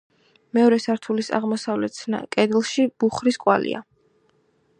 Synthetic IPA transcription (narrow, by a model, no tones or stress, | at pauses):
mɛɔɾɛsaɾt̪ʰulisa̰ʁmɔsavlɛt̪̚sʰna̰kʼɛd̪lˠʃib̥uχɾiskʼwa̰lḭʔa̰